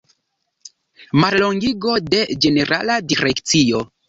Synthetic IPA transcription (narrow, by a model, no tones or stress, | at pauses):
maɾlo̞ŋɡiɡo̞de̞d͡ʒe̞ne̞ɾʔaladiɾe̞kt͡sio̞